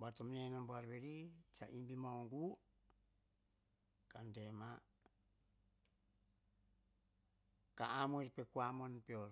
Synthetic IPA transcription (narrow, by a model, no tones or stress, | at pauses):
batomnenonboaɾbeɾit͡ʃaʔimbimawŋɡu | kandema | kaːmoiɾpekuamonpeoɾ